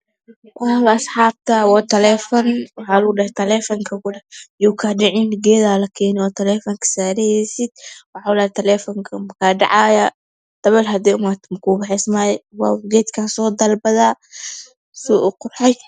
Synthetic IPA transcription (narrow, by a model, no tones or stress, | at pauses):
wɑhlɐːsħɑːb̚t̪ʰɐwaːt̪ʰɐlɛfɔnwɑħaːlʊɡɖɐht̪ʰɐlɛfɐŋkʰɐkʊlɛjuːkʰaɖɪʕɪnɡɛːðaːlɐkʰɛːnɪwaːt̪ʰɐlɛːfɐŋkʰɐ̥saːɾɛjɛsɪd̪̥̚wɑħalat̪ʰɐlɛːfɔŋkʰɐmɐkʰaːɖɑ̰ʕaːjɐ | d̪̥ɐβɛlɦɐd̪ɛːʊmat̪mkʰuːbɐħɛsmajwaːɡɛːt̪kʰaːsɔːd̪ɐlbɐðaː | sɔʔʊqʊrħɛj